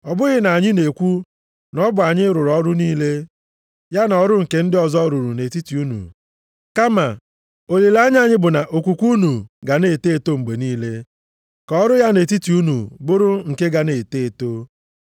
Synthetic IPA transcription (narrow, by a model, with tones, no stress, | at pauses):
ɔ˨bʊ˦ɣɪ˨na˨a˨ɲɪ˦ne˨kʷu˦ | nɔ˦bʊ˨a˨ɲɪ˦ɾʊ˨ɾɔ˦ɾʊ˦niː˦le˦ | ja˦n˨ɔ˦ɾʊ˦ŋ̩˨ke˨n̩˦dɪ˦ɔ˨zɔ˦ɾu˨ɾu˨ne˨ti˦ti˨u˦nṵ˨ | ka˦ma˨ | o˨le˨la˦ɲɪ˦a˦˨ɲɪ˦bʊ˨na˨ʔo˨kʷu˨kʷu˦nu˨ɡa˨ne˨te˦˨to˦ŋ͡m̩˨ɡ͡be˨niː˦le˦ | kɔ˦ɾʊ˦ja˦ne˨ti˦ti˨u˦nṵ˨bʊ˦ɾʊ˦ŋ̩˨ke˦ɡa˨ne˨te˦˨to˦